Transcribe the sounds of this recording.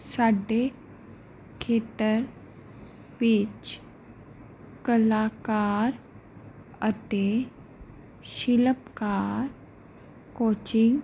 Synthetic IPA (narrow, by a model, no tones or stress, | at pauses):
saɖe | kʰet̪əɾ | biːt͡ʃ | kəlakaɾ | ət̪e | ɕiləpkaɾ | kot͡ɕiŋɡ